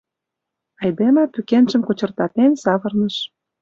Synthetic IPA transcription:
ɑjd̪emĕpykenʒə̆mkot͡ɕɤ̆rt̪ɑt̪ensɑβɤ̆rnə̆ʃ

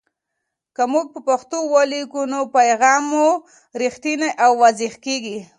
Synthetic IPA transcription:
kamuɡ̚pəpaxt̪owalikunopajɣɑmːu | ɾixt̪inaʔawːazixkeɡi

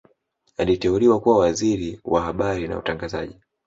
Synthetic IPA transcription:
alitɛuliwakuwawaziɾiwahaɓaɾina̰utaŋɡazaʄi

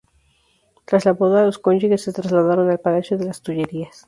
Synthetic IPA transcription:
t̪ɾaslaβoðaloskond͡ʒuɣesːe̞t̪ɾazlaðaɾo̞nalpalasjoðe̞last̪uʝe̞ɾias

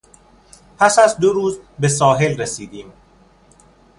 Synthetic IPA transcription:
pʰæsæzd̪oɾuːzbes̬ɒːɦe̞lresiːd̪iːm

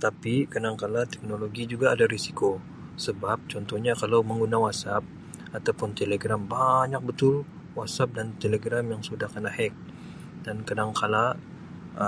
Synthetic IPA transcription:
t̪apikadaŋkalat̪ɛk̚noloɡid͡ʒuɡaːdaɾisi̥ko | səbap̚t͡ʃɔnt̪ɔhɲakalawməŋɡunawat̪sap̚ | at̪awpʊnt̪eleɡɾambaɲak̚bət̪ʊl | wat̪sap̚dant̪eleɡɾamjaŋsudahkənahɛk̚ | dankadaŋkʰala

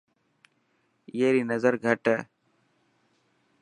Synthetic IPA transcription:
jeːɾiːnəzəɾɡʱəʈə

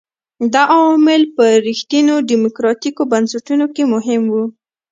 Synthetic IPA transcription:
d̪ɑʔɑwɑmɪlpəɾixt̪inoɖimokɾɑt̪ikobansaʈunokemʊɦɪmwu

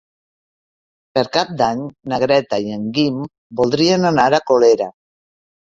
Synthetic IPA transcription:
peɾkap̚d̪aɲnaɣɾɛt̪ajeŋɡim | bolˠd̪ɾienanaɾakoleɾa

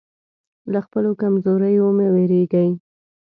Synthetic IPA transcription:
laxpəlokamzoɾəjomeweɾeɡəj

